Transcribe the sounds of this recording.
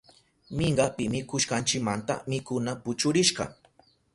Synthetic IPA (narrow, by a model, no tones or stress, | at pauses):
mɪɴɢɑpɪmɪkʊʃkant͡ʃɪkmant̪a̰mɪkʊnapʊt͡ʃʊɾɪʃɢɑ̰